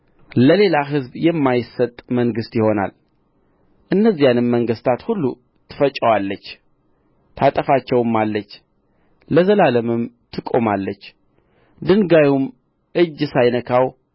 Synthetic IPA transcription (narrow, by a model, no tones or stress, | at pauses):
ləle̞laɦɨzbjɛmːajɪsət̪ʼməŋɡɨst̪jɪho̞na̰l | ʔɨnːəzːijanɨmːəŋɡɨst̪ʰat̪hulːu | t̪ʰɨ̥fət͡ʃʼːəwalːət͡ʃː | t̪ʰat̪ʼəfat͡ʃːɛwɨmːalːət͡ʃː | ləzəlaləmɨmt̪ʰɨkʼo̞malːət͡ʃː | d̪ɨŋɡajum | ʔɨd͡ʒːsajnəkʰaw